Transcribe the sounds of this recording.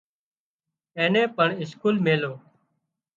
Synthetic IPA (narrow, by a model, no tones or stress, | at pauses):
ẽːnẽːpəɳɪskuːlmeːloː